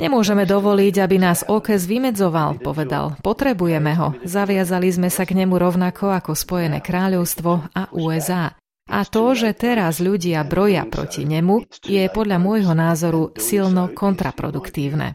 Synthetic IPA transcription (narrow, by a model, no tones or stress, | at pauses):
ɲɛmʊɔʒɛmɛd̪ɔʋɔliɟabinaːzɔkɛzʋimɛd͡zɔʋalpɔʋɛd̪a̰lpɔt̪ɾɛbujɛmɛɦɔ̰zaʋɪazalizmɛsaɡɲɛmuɾɔʊnakʰɔakɔspɔjɛnɛ̰ːkɾaːʎɔʊst̪ʋɔaʔuːɛzaː | ʔa̰t̪ɔʒɛt̪ɛɾazʎuɟɪabɾɔja̰pɾɔ̰cḭɲɛmujɛpɔd̪lʎamʊɔjɦɔnaːzɔɾusilnɔkʰɔnt̪ɾa̰pɾɔ̰d̪ukt̪iːʊnɛ̰